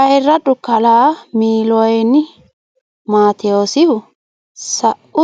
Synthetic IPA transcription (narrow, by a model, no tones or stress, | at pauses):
ɐjrːɐᶑʊkɐlaːmiːlɔjnːɪ | maːt̪ɛjoːsɪhʊ | sɐʔʊ